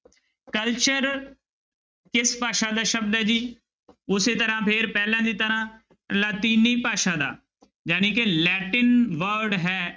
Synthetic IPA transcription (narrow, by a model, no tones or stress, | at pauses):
kəlt͡ʃəɾ | kɪspaːʃãːd̪aːʃəbd̪ɦɛːd͡ʒiː | ʊseːt̪əɾãːpʰɪɾpɛːlãːd̪iːt̪əɾãː | laːt̪iːniːpaːʃãːd̪a̰ː | d͡ʒaːnĩːkelɛːʈɪnʋəɾɖɦɛː